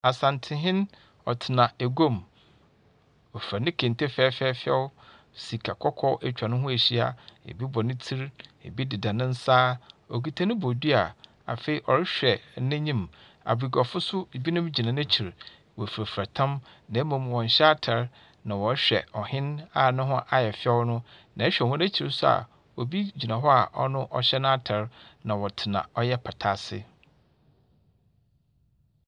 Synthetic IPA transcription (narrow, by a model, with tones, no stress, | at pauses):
a˨sã˨ntʰɪ̃˨ɦɪ̃˦n | ɔ̰˨tʰɪ˨nã˨æ˨ɡõ˦˨m | ɔ˨fɾa˨nɪ̃˦kʰẽ˨n˨tʰe˦fɛː˦fɛː˦fɛ̰˦wʊ˦ | si˨kʰa˨kʰɔ˦kʰɔ˦ɛ˦t͡ɕᶣa˨nʊ̃˦ɦʊ̃˦æ˨ɕi˦a̰˨ḛ˨bi˦bɔ˨nɪ̃˦tʰi˦ɾḛ˨bi˦dɪ˨dã˨nɪ̃˦n̩˦saː˦ɔ˨ɡi˨tʰa˦nɪ̃˦bɔ˨di˦a̰˨ | a̰˨fe˨i˨ʔɔ˨ɾɪ˦ɕᶣɛ˨nɪ̃˦ɲĩ˦˨m | a̰˨bɾi˨ɡɔ˨fʊ˦sʊ˦bi˦nʊ̃˦md͡ʑi˨nã˨nã˦t͡ɕʰi˨ɾ | wɔ˨fɾa˨fɾa˨tʰã˦m | nã˨˦mã˨m˨wɔ̃˨ɲ̩˨ɕɛ˦a˦tʰɛ˨ɾ | nã˨wɔ˨˦ɕᶣɛ̰˨ɔ˨hɪ̃˦na˨nʊ̃˦ɦʊ̃˦ʔa˨jɛ˨fɪ˦ɛ˦wnʊ̃˦nã˨ɛ˦ɕᶣɛ˨hʊ̃˦næ̃˦t͡ɕʰi˨ɾsʊ˦a̰˨ | wɔ˨bi˦d͡ʑi˨nã˨ɦɔ˦a˨ʔɔ˦nʊ̃˦ʔɔ̰˨ɕɛ˦nʊ̃˦a˦tʰɛ˨˦ɾnã˨wɔ˨tʰɪ˨nã̰˨ɔ˦jɛ˦pʰa˨tʰa˦sɪ̰˦